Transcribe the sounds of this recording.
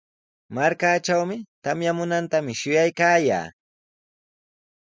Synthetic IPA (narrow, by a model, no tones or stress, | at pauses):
maɾkaːʈ͡ʂawmɪt̪amjamʊnant̪amɪʃʊjajkaːja̰ː